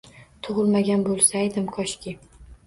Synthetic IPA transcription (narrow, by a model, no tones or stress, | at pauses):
t̪ʰʊʁɨlˠmaɡʲanbolˠsajd̪ɪmkʰɒʃkʲɪ